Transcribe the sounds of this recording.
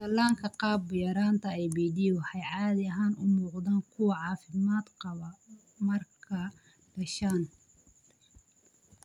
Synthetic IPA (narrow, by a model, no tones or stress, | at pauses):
d̪ɐlːaːŋkʰɐqɑːbːɪjɐɾaːnt̪ʰɐɛjbiːd̪iɔħɛjʕɑːðɪɐɦaːnʊmuːqd̪aːnkʰʊwɐʕɑːfɪmaːd̪qɑβɐ | mɐrkkʰɐ | ɖ̥ɐʃaːn